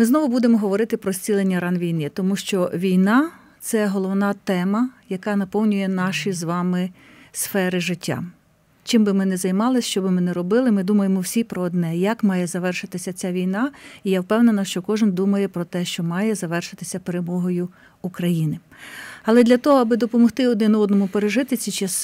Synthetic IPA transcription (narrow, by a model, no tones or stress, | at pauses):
mɪznɔʋʊbud̪emɔɦɔʋɔɾɪt̪ɪpɾɔsʲt͡sʲilˠenʲːɐɾɑnʋʲijnɪt̪ɔmuʃt͡ʃɔʋʲijnɑ | t̪sɛɦɔlˠɔwnɑt̪ɛmɐjɐkɑnɐpɔwnʲʊjɛnɑʃizʋɑmɪ | sfɛɾɪʒɪtʲːa̰ | t͡ʃɪmbɪmɪnɛzɐjmɑlˠɪsʃt͡ʃɔbɪmɪnɛɾɔbɪlˠɪmɪd̪umɐjemɔwsʲipɾɔːd̪nɛjɐkmɑjɛzɐʋɛrʃɪt̪ɪsʲɐt͡sʲaʋʲijnɑijawpɛwnenɐʃt͡ʃɔkɔʒɪnd̪umɐjɛpɾɔt̪ɛʃt͡ʃɔmɑjɛzɐʋɛrʃɪt̪ɪsʲɐpeɾemɔɦɔjʊ | ukɾɐjinɪ | ɐlˠɛd̪lʲɐt̪ɔɦɔɐbɪd̪ɔpɔmɔxt̪ɪɔd̪nɪnɔd̪nɔmʊpeɾeʒɪt̪ɪt͡sʲit͡ʃɛs